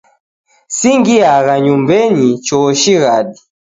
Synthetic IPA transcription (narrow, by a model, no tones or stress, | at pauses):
siŋɡiaɣaɲumbɛɲit͡ʃɔʃiɣaɗi